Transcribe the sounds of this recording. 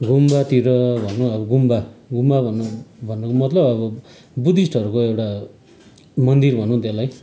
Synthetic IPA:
ɡumbat̪iɾʌbʱʌnːũʌbʌɡumbaɡumbabʱʌnbʱʌnːʌkomʌt̪lʌbʌbʌ | bud̪isʈʌɾukoewʈa | mʌnd̪irbʱʌnːũt̪elaj

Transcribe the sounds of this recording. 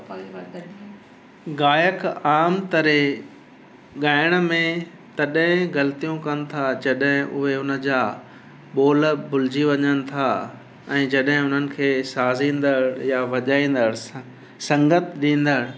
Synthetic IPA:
ɡaːjəkaːmt̪ɐɾe | ɠaːɪɽ̃ə̆mẽ | t̪ɐɗɦɪ̃ɡɐlt̪ijũkɐnɪ̆t̪ʰad͡ʑɐɗɦɪ̃ʔʊɦeʊnə̆d͡ʑaː | ɓoːlbʊlɪd͡ʑiʋɐɲənɪ̆t̪ʰa | ɛ̃ːd͡ʑɐɗɦɪ̃ʊn̤ənɪ̆kʰeːsaːzĩːn̆d̪əɽjaʋɐʄaːĩːn̆d̪əɽ | sɐ̃ŋɡət̪ʰɗĩːn̆d̪əɽ

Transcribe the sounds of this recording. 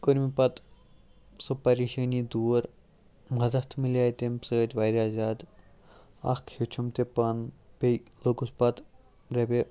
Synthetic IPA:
koɾmipɐt̪ | supɐɾiʃənid̪uːɾ | mɐd̪ɐt̪ʰmilaːjt̪emsəːtʋajɾʲaːzad̪ | ɐ̰kʰhet͡ʃʰumt̪epɐnbeloɡuspat̪ | ɾebe

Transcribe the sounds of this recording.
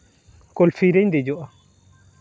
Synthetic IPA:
kolfiɾɛɲdɛd͡ʒɔa

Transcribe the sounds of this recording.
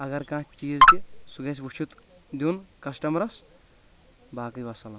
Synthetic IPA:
ɐɡɐɾkãːt͡ʃʰpt͡ʃiːzkisuɡɐs̬ʲʋuʃʰut̪ | d̪unkɐsʈɐmɾɐs | baːkɐjʋɐsɐlɐn

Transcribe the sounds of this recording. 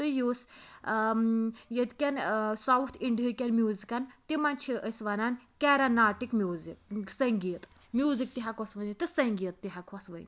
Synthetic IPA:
t̪ɨjus | jet̪kʲansawt̪ʰiɳɖijəkʲanmjuːzikant̪imant͡ʃʰiʔəsʋanankʲaɾanaːʈikmjuziksɐŋɡijət̪ | mʲjuːzik̚t̪iɦakɔsʋənit̪ɨsɐŋɡijət̪ːiɦakʰɔsʋə̰jn

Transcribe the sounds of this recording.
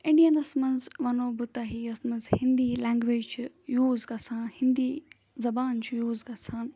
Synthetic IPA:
ĩɳɖijɐnɐsmɐnzʋɐnoːbut̪aɦiɐsmɐnzhind̪iːlaːŋɡʋeːd͡ʒt͡ʃʰi | juːzɡɐsʰaːnhind̪iː | zɐbaːnt͡ʃʰijuːzɡɐt͡sʰaːn

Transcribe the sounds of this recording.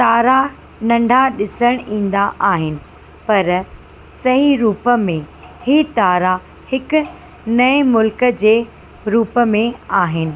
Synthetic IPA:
t̪aːɾa | nɐ̃ɳɖʱaɗɪsəɽ̃ĩːn̆d̪aʔaːɦɪnɪ̆ | pɐɾ | sɐɦiɾuːpəmẽ | hɪt̪aːɾa | hɪkʊ̆ | nɐemʊlkəd͡ʑeː | ɾuːpəmẽaːɦɪnɪ̆

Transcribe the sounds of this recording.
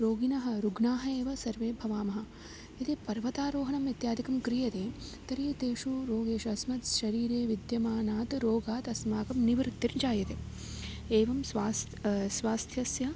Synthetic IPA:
ɾoːɡinɐɦɐ̆ɾuɡnaːɦɐeːʋɐsɐɾʋeːbʱɐʋaːmɐɦɐ̆ | it̪epɐɾʋɐt̪aːɾoːɦɐɳɐmit̪jaːd̪ikɐmkɾijɐt̪eːt̪ɐɾiːt̪eːʂuɾoːɡeːʃɐːsmɐt̪ʃɐɾiːɾeːʋid̪jɐmaːnaːt̪ɾoːɡaːt̪ɐsmaːkɐmniʋɾt̪ːiɾd͡ʒaːjɐt̪e | eːʋɐmsʋaːs | sʋaːst̪ʰjɐsjɐ

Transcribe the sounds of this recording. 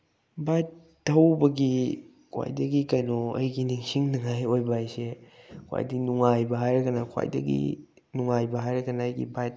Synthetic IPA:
bajt | tːɐwbɐɡi | kʰwa̰jdɐɡikɐnoɐ̰jɡiniŋsiŋniŋajojbajsekʰwa̰jdinuŋajbɐɦajɾɐkanakʰwa̰jdɐ̰ɡḭ | nuŋajbɐɦajɾɐkanaːjɡḭbajt̚

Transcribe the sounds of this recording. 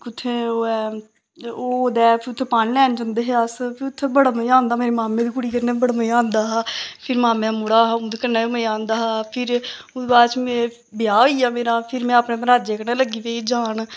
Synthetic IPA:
kʊt̪ʰːeːoːɛ | oːd̪ɛːpʰɪɾʊt̪ʰːeːpaːnlɛːnd͡ʒə̃nd̪eːɦeəspʰɪɾʊt̪ʰːeːbəɽməãːnd̪aːmeːɾiːmaːmẽːd̪iːkʊɽiːkəɾneːbəɽməãːnd̪aːɦːpʰɪɾmaːmɛ̃ːmʊɽaːɦũːd̪kəɾnaːoməãːnd̪aːɦaːpʰɪɾʊ̃d̪baːɾt͡ʃmẽː | bɪjaːoːiːaːmeːɾãːpʰɪɾmɛ̃ːapnẽːpəɾaːd͡ʒeːkənẽːləɡiːʋeːd͡ʒaːɳ

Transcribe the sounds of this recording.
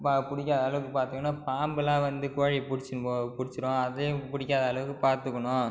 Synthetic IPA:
papʊɽɪkʲːaːðaːɭɐʋɯkːɯpaːɾt̪ɯkːɐnːaːpaːmbɯlãːʋɐnd̪ɯkoːɻipʊɽɪt͡ʃːpʊɽɪt͡ʃːɪɾõːɐðɐjpʊɽɪkːaːðaːlɐʋɯkːɯpaːɾt̪ɯkːɐɳʊ̃

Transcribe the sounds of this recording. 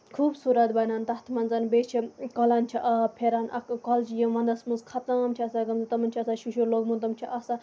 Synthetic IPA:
kʰuːbsuːɾɐt̪bɐnaːnt̪ɐht̪ʰmɐnzɐnbet͡ʃʰikɔlaːnt͡ʃʰiʔɐpʰeɾaːnʔɐkkɔːlt͡ʃijɐmʋɐ̃nd̪ɐsmuzkʰɐt̪ãmt͡ʃʰiɐsaɡɐmzɨt̪ɐmɐnʲt͡ʃʰiɐsaʃuʃuɾloːɡmũnt̪ɐmt͡ʃʰiʔɐsa

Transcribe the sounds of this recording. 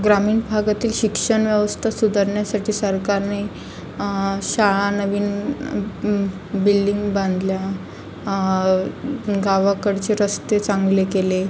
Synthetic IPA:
ɡɾamiːɳbʱaɡat̪iːlɕikʂəɳʋjəʋəst̪ʰasud̪ʱəɾɳjasaʈʰiːsəɾkaɾne | ɕaɭanəʋiːn | bilɖiŋɡbãnd̪lja | ɡaʋakəɽt͡ɕeɾəst̪et͡sãŋɡlekele

